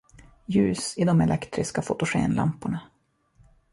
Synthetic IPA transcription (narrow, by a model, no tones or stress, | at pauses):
jʉ̟ːsɪd̪ɔmɛlʔɛkt̪ɾɪskafʊt̪ʊɧḛːnla̰mpʊɳa